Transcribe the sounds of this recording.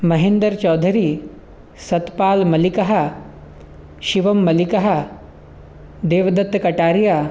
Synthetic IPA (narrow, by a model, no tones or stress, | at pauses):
mɐɦeːnd̪əɾt͡ʃɔːd̪ʱəɾiː | sɐt̪paːlmɐlikɐɦa | ʃiʋɐmːɐlikɐɦa | d̪eːʋd̪ɐt̪kɐʈaːɾja